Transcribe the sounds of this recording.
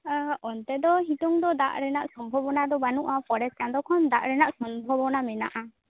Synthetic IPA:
ɔnt̪ɛd̪ɔɦit̪ɔŋd̪ɔd̪a̰ʔɾɛnaʔsɔmbʱɔbɔnad̪ɔbanuʔapɔɽɛskand̪ɔkʰɔnd̪aʔɾɛnaʔsɔmbʱɔbɔnamɛna̰ʔa

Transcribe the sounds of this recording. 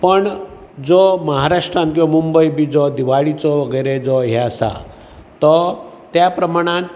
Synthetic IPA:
pəɳ | d͡zɔməɦaɾaʂʈɾant̪̚kiʋamumbəibid͡zɔd̪iʋaɭit͡sɔʋəɡəjɾed͡zɔɦesa̰ | t̪ɔ | t̪japɾəmaɽ̃ãnt̪

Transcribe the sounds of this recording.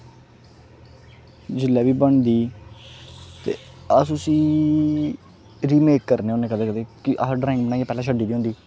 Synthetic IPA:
d͡ʒɪlːɛːʋiːbəɳd̪iː | t̪ḛː | əsʊsiː | ɾiːmeːkːəɾneːoːnẽːkəd̪eːkəd̪eːkiʔaɖɾaːɪŋk̚bənaːiaːpɛːlãːʃʰəɖiːd̪iːõnd̪iː

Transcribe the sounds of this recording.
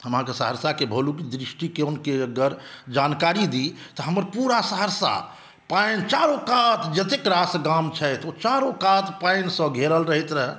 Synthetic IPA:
həmɦãkesəɦəɾsakebʱəlukid̪ɾisʈikeonkeɡəɾd͡ʒankaɾid̪it̪ɔɦəməɾpuɾasəɦəɾsa̰ | pajnt͡ʃaɾõkat̪d͡ʒət̪ekɾasɡamt͡ʃʰəjt̪ot͡ʃaɾõkat̪paɪnsə̃ɡʱeɾəlɾəɦit̪ɾəɦ

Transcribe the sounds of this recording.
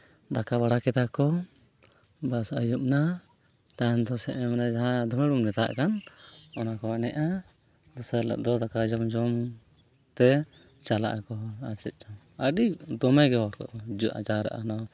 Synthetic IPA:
d̪akabaɽakɛt̪akɔ | basajup̚na | t̪aɛnd̪ɔsɛʔɛmɛnad͡ʒaɦãd̪ɔmɛɽumɾɛt̪a̰ʔkanɔnakɔanɛʔa | d̪ɔsala̰ʔd̪ɔd̪akad͡ʒɔmd͡ʒɔm | t̪ɛ | t͡ʃala̰ʔkɔaɾt͡ʃɛt̪̚ˀd͡ʒam | aɗid̪ɔmɛɡɛɦɔɾkɔ̰ʔd͡ʒuʔa̰d͡ʒaɾa̰ʔanɔ

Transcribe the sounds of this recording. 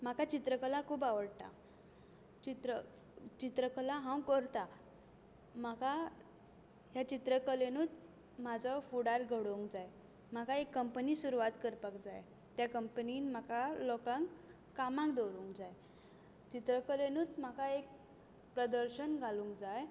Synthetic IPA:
m̤akat͡ɕit̪ɾəkəlakʰuːpaʋəɽt̪a̰ | t͡ɕit̪ɾə | t͡ɕit̪ɾəkəlaɦãw̃kəɾt̪a | m̤aka | ɦjat͡ɕit̪ɾəkəlenuːt̪ | mad͡zɔfuɽaɾɡʱəɽoŋkd͡zaj | m̤akaekːəmpənisuɾuʋat̪kəɾpakd͡za̰j | t̪jakəmpəniːnm̤akalɔkãŋkː | amãŋkd̪oɾũŋkd͡zaj | t͡ɕit̪ɾəkəlenuːt̪m̤akaek̚ | pɾəd̪əɾɕənɡʱalũːŋkd͡zaj

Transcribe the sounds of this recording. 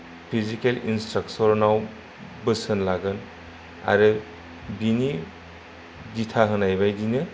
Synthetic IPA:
pʰizikelinstɾaksɔɹnaw | bɯsɯnlaɡɯn | a̰ɾɯ | bini | ditʰaɦɯnajbajdinɯ

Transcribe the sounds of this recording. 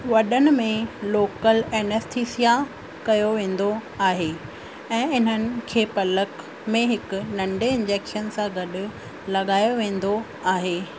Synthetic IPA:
ʋɐɗənɪ̆mẽloːkəlɛːnəst̪ʰiːsija | kɐjoʋẽːn̆d̪oaːɦeː | ɛ̃ːɪn̤ənɪ̆kʰeːpɐlək | mẽɦɪkʊ̆nɐ̃ɳɖʱeɪ̃nd͡ʑeːkʃənsãɡɐɗʊ̆ | lɐɠaːjoʋẽːn̆d̪o | aːɦeː

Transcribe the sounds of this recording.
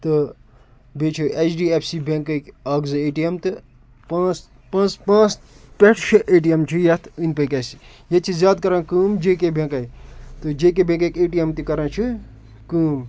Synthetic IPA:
t̪ɨ | bʱeːt͡ʃʰuʔet͡ʃʰɖiːepʰsibẽŋkɐkʲɐːɡzɨeːʈijemt̪ɨ | pãːt͡s | pãːt͡spãːt͡s | pʲeʈʰʃʰɐʔeːʈijɐmt͡ʃʰujɐt̪ʰinpɐkʲɐsi | jɐt͡ʃʰizʲjaːd̪kɐɾãːkuːmd͡ʒeːkebʱẽːkɐit̪ɨd͡ʒeːkebʱẽŋkɐkʲeːʈijemt̪ikɐɾãːt͡ʃʰɨ | kuːm

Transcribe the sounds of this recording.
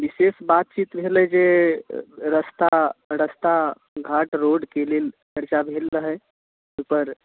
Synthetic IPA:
ʋɪseːsbaːt̪̚t͡ʃiːt̪bʱeːlɦɛd͡ʒeː | ɾəst̪aɾəst̪a | ɡʱaːʈɾoːɖkeleːlt͡ʃəɾt͡ʃabʱeːlːəɦɛ | upəɾ

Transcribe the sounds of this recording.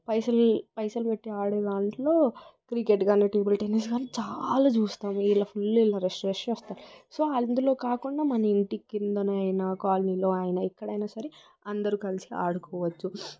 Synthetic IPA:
pɐjsɐlpɐjsɐlpeʈːiaːɽeːd̪aːɳʈlo̞ːkɾikeʈɡaːneːʈeːbɐlʈenes̬ɡaːnit͡ʃaːlaːt͡ʃuːst̪aːmuilːɐpʰulːilːɐɾesʈɾeːʂɐnɐst̪aːɾuso̞ːaːɐlɐnd̪ulo̞ːkaːkuɳɖaːmɐnɐiɳʈikːind̪ɐnɐjnɐkaːlɐniːlo̞ːaːjɐnɐikːɐɽɐjnaːsɐɾi | ɐnd̪ɐɾukɐlisia̰ːɽukɔːʋɐt͡ʃːu

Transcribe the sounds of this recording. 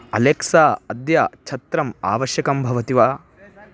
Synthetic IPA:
ɐ̰leksaːɐd̪jat͡ʃʰɐt̪ɾɐma̰ːʋɐʃjɐkɐmbʱɐʋɐt̪iʋaː

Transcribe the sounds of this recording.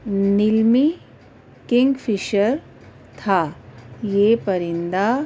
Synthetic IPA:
nilmi | kɪ̃ŋɡfʰiʃəɾ | t̪ʰa | jepɐɾind̪a

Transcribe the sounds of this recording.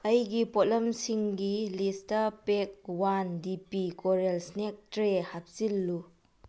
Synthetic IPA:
ɐjɡipot̚lɐmsiŋɡilistɐpek̚wandipikoɾelsnek̚tɾehap̚silːu

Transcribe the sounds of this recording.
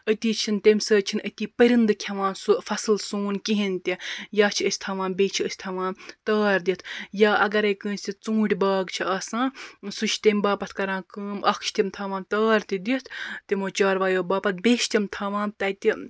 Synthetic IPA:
ət̪iːt͡ʃʰint̪ʲemʲsəːt͡ʃʰinət̪ʲiːpəɾʲind̪ɨkʲʰɐʋãːnsufɐsɨlsuːnkiɦint̪ʲijaːt͡ʃʰiəsʲt̪ʰɐʋãːnbʲeːt͡ʃʰiəsʲt̪ʰɐʋãːnt̪aːɾd̪ʲit̪ʰjaːʔɐɡɐɾɐjkə̃ːnsʲt̪ʲit͡sũːɽʲbaːɡt͡ʃʰiaːsãːsut͡ʃʰt̪emʲbaːpɐt̪ʰkɐɾãːkəːmʔɐkʰt͡ʃʰt̪ʲimt̪ʰaːʋãːnt̪aːɾt̪id̪it̪ʰt̪imoːt͡ʃaːɾʋaːjoːbaːpɐt̪̚bʲeːʃt̪ʲimt̪ʰɐːʋãːnt̪ɐt̪ʲi

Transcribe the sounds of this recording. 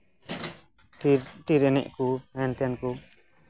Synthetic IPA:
ʈiɾɛnɛ̰ʔkuɛnt̪ɛjanku

